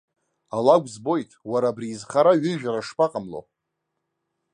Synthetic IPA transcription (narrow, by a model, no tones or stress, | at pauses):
alaɡʷzbo̞jtʼwaɾaːbriːzχaɾaɥʏʒᶣaɾaʂpʰʼaqʼamlo̰